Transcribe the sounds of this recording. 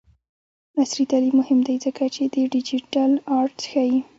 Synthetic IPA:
nasɾit̪alimʊhɪmd̪ajzəkat͡ʃed̪əɖɪd͡ʒiʈalɑɾʈxaji

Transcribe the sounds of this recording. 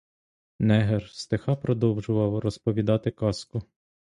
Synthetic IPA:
nɛɦerst̪exɑpɾɔd̪ɔwʒʊʋɐwrɔspɔʋʲid̪ɑt̪ɪkɑskʊ

